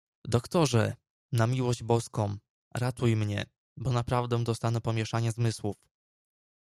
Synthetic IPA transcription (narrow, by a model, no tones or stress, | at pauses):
d̪ɔkt̪ɔʐɛ | namʲiwɔʑd͡ʑbɔskɔ̃m̃ | ɾat̪ujmɲɛ̰ | bɔnapɾavd̪ɛ̃d̪ɔst̪anɛpɔmʲjɛʂaɲɛzmɘswuf